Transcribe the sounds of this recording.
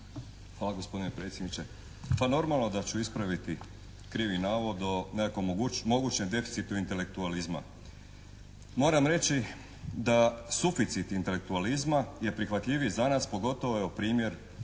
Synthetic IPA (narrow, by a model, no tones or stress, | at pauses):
xʋaːlˠaɡo̞spo̞d̪inepɾe̞ːt̪sʲjed̪nit͡ɕe̞ | pano̞ɾmalˠno̞d̪at͡ɕuispɾaʋit̪i | kɾiʋinaːʋod̪onekakoɡmo̞ɡuːt͡ɕɲemd̪e̞fi̥t̪sit̪uint̪e̞le̞k̚t̪ualizma̰ | mo̞ːɾamɾe̞t͡ɕi | d̪asufit̪sit̪int̪e̞lek̚t̪ualizmaje̞pɾixʋat̪ʎʲiʋizanaːspo̞ɡo̞t̪o̞ʋoeupɾiːmje̞ɾ